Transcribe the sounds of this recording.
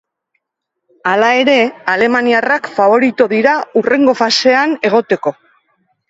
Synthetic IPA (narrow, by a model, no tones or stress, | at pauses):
alae̞ɾe̞ale̞maniarakfaβo̞ɾit̪uðiɾaure̞ŋɡo̞fase̞ane̞ɣ̞o̞t̪e̞ko̞